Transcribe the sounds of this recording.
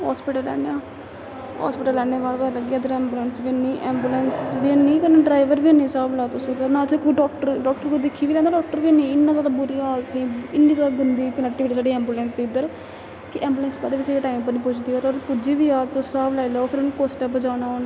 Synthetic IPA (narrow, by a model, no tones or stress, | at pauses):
ɦa̰ːspiːʈəlːɛ̰ːɳeaː | ɦɔ̰ːspɪːʈəlːɛːneːbaːd̪bələɡːad̪əɾɛ̃ːmbuːlɛːnsbiniːʔɛːmbuːlɛːnsʋinĩːkəneɖɾaːɪʋəɾbiːnĩːsaːblaːt̪ʊsõt̪anaːt͡ʃekoiɖɔːk̚ʈəɾɖɔːk̚ʈəɾkod̪ɪkʰːiːʋiːlɛ̃ːnd̪aɖɔːk̚ʈəɾʋiːnĩːɪnːãːzaːd̪abʊɾiːaːlt̪niːɪnːiːzaːd̪aːɡənd̪iːkənɛːk̚ʈiʋʈiːsaːɖiːɛ̃ːmbuːlɛːns̬d̪iːʊd̪əɾ | kɪʔɛ̃ːmbulɛ̃ːnsbad̪eːʋɪseeʈaːimpəɾnĩːpʊt͡ʃd̪iːoːɾoːɾpʊd͡ʒiːʋiːaːt̪ʊsaːblaːilaopʰɪɾʊnũkoːsʈɛːpəd͡ʒaːnaːoːn